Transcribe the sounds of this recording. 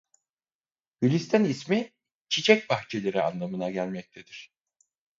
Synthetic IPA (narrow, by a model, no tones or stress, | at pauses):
hylʲist̪ʰænismi | t͡ʃʰit͡ʃʰɛc̚baxt͡ʃʰe̞lʲe̞ɾia̰nlˠamɯnaɟælʲmɛc̚t̪ʰed̪iɾ̝̥